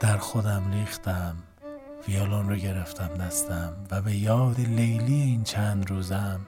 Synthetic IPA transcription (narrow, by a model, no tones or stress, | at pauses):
d̪̥æɾxod̪æmliːxt̪æm | fijɒːlɒːnɾoɟe̞ɾeft̪ʰæmnæst̪æmvæbe̞jɒːd̪elejlieiːnt͡ʃʰænd̪ɾuːzæm